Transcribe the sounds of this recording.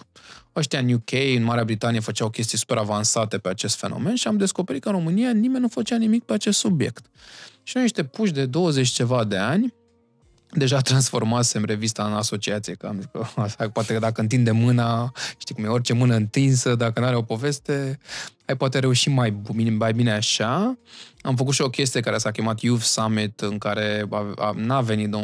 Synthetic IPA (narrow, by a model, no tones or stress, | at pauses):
oʃt̪iaɨnjukʲʰejɨnmaɾeabɾit̪aniefət͡ʃawkʲe̞s̬t̪isu̥pe̞ɾavansat̪e̞peat͡ʃe̞st̪fe̞no̞̰me̞nʃiamd̪e̞sko̞peɾit̪̚kənro̞mɨnijanimenʲnufət͡ʃanimik̚pe̞at͡ʃe̞st̪subje̞̰kt̪ʃiuniʃt̪e̞puʃ̬d̪e̞d̪o̞wəzet͡ʃʲt͡ʃe̞vad̪e̞anʲ | d̪e̞ʒat̪ɾansfo̞rmaseɨnɾe̞vist̪aɨnaso̞t͡ʃiat̪sijeka̰mikəaʃapoat̪ed̪akəɨnt̪̬ind̪e̞mːɨnaʃt̪ikumjeorʲt͡ʃe̞mɨnəɨnt̪insəd̪akənuaɾeo̞po̞ve̞st̪e̞ajpoat̪eɾe̞uʃimajbimajbine̞aʃa | amfəkut̪ʃio̞kʲe̞s̬t̪ijekaɾesakʲemat̪juvsamit̪ɨŋkaɾe̞aa̰nave̞nit̪d̪o